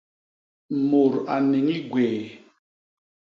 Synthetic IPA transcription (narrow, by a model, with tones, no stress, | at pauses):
mo˨ɾa˨ne˨ŋi˦ɡwɛː˨